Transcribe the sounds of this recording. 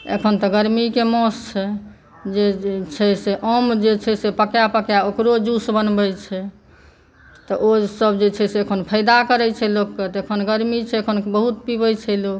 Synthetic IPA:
ḛkʰənt̪ɔɡəɾmikemɔst͡ʃʰɛ | d͡ʒet͡ʃʰɛseʔəmd͡ʒet͡ʃʰɛsepəkjapəkjaokɾod͡ʒusbənbɛt͡ʃʰɛ | t̪ɔʔosəbd͡ʒet͡ʃʰɛseːkʰonpʰəɪd̪akəɾɛt͡ʃʰɛlokːet̪ɔekʰənɡəɾmit͡ʃʰɛkʰonbəɦut̪pibɛt͡ʃʰɛlok

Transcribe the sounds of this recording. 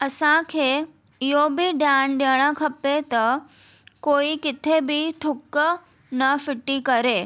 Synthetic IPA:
əsãkʰeː | jobʱiɖjanɖeɽ̃ãkʰɐpet̪ɐ | koːikɪt̪ʰebʱit̪ʰʊkː | nəfɪʈːikəɾeː

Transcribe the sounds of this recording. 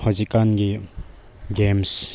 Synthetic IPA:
hɔzikanɡi | ɡems

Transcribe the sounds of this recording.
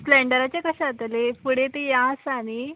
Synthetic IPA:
sleɳɖəɾat͡ɕekəɕãat̪əlepuɽet̪ejasani

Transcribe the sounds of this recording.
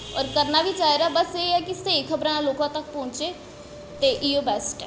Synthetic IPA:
ɔ̰ːɾkəɾnaːʋiːt͡ʃaːiɾaːbəseːɛːkɪsekʰəbɾãːloːkãːt̪ək̚pɔ̃ːɲt͡ʃeː | t̪eːʔijoːbɛːsʈɛ

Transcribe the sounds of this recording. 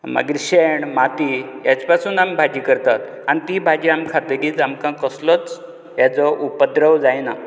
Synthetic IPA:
mə̰ɡiɾɕeɳmat̪ijat͡spasuːnambʱad͡ʑikəɾt̪at̪ | anit̪ibʱad͡ʑiamkʰat̪ɾiːt͡samkãkəslɔt͡s | jat͡sɔʔupəd̪ɾəʋd͡zajna

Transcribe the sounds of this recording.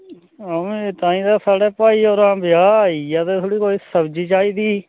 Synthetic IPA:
əmẽːt̪ãːĩːd̪aːsaːɽɛːpaːiːoːɾãːbɪjaːiːaːt̪eːt̪ʰoɽiːkoːiːsəbd͡ʒiːt͡ʃaːiːd̪iː

